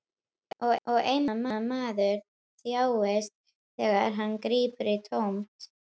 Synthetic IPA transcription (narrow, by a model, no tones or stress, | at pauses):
ɔɣɔɣejnamamaːðʏɾ | θjaːwɛst̪ | θɛːɣa̰ɾɦanːkɾiːpʏɾɪt̪ʰowmt̪